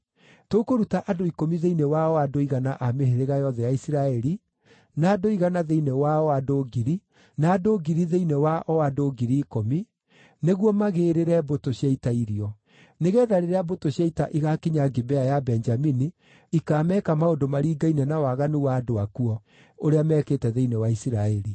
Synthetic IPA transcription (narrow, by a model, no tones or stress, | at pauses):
tokoɾutaʔadoikomiðeinɛwaɔadoiɣanaʔameheɾeɣajɔðɛjaisiɾaɛɾi | naːdoiɣanaðeinɛwaɔadoːɡiɾi | naːdoɡiɾiðeinɛwaʔɔadoːɡiɾiːkomi | neɣwɔmaɣeːɾeɾɛbotoɕjaitaiɾiɔ | neɣɛðaɾeɾeabotoɕjaitaʔiɣakeɲaɡebɛajabɛnd͡ʒamini | ikaːmɛːkamaondomaɾiːɡainɛnawaɣanuwadoakuɔ | oɾeamɛːkeːtɛðeinɛwaisiɾaɛɾi